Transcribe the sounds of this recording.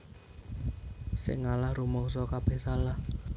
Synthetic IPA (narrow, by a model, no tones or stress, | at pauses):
sɪ̰ŋːalahrumɔŋs̬ɔkab̥ɛhsalah